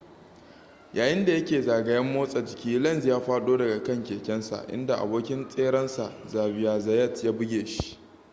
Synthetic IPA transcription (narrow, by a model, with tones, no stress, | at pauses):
jaː˨jɪ˦nda˨jɐ˦kʲeː˨zaː˨ɡɐ˨jɐ˦mːoː˦sʼa˨d͡ʒɪ˨kʲiː˦lɐ˦nzjaː˦ɸaː˦ɗoː˦dɐ˨ɡa˨kɐ˦˨ŋkʲeː˨kʲɛ˦nsa̰˨ʔɪ̰˦nda˨ʔa̰˨boː˦kʲɪ˦nsʼeː˦ɽɐ˦nsa˨zaː˨bɪ˦˨jaː˨zɐ˨jɐ˦˨tjaː˦bɪ˦ɡʲeː˨ʃi̥˦ʔ